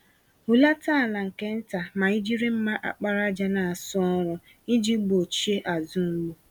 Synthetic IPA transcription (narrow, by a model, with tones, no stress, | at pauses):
hu˨la˦ta˦˨la˨ŋ̩˨ke˦n̩˦ta˨ma˨i˦d͡ʒi˦ɾi˦m̩˦ma˦ʔa̰˨k͡pa˦ɾa˦d͡ʒa˦na˨a˨sʊ˦ɔ˦ɾʊ˦ | i˦d͡ʒi˦ɡ͡bo˨t͡ʃi˦e˦ʔa˨zʊ˦m̩˦ɡ͡bu˦